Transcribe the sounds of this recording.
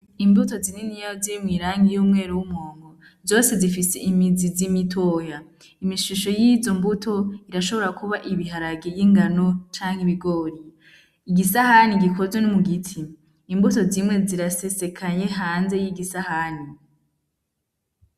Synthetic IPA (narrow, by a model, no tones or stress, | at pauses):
imbuto̞zininijajoziɾimŋiːɾaːŋɡijuːmŋe̞ːɾuwumŋoːŋɡo̞ | zo̞ːse̞zifise̞ʔimizizimitʰo̞ːja | imiʃuʃo̞jizo̞mbutʰo̞iɾaʃo̞βo̞ɾakuβaʔiβiɦaɾaɡejiŋɡano̞t͡ʃaːŋhiβiɡo̞ːɾi | iɡisahaniɡiko̞zwenimuɡitʰiː | mbuto̞zimŋe̞ziɾase̞se̞kʰaɲe̞ɦaːnze̞jiɡisahani